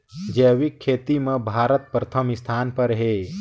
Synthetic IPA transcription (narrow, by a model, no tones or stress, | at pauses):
d͡ʒɛːwikʰːeːt̪imẽbʱaːɾət̪̚pɾət̪ʰəmɪst̪ʰaːnpɐɾɦeː